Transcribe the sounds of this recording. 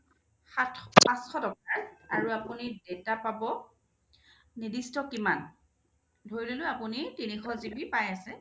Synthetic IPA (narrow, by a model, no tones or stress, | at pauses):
xatpãsxɔtɔkaɹa̰ɹuapunidetapabɔ | nidistɔkiman | dʱoɹilolʊapunitinixɔzibipajasɛ